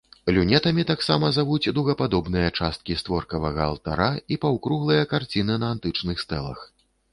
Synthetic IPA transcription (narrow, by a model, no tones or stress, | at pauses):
lʲunʲɛt̪ɐmʲit̪aksamɐzavud͡zʲd̪uwɣɐpad̪ɔbnɨjɐt͡ʂast̪̚kʲist̪vɔrkɐvɐɣɐ̰ːlˠt̪a̰ɾaipɐwkɾuɣlˠɨjɐkart͡sʲinɨnɐːnt̪ɨt͡ʂnɨxst̪ɛlˠɐ̰x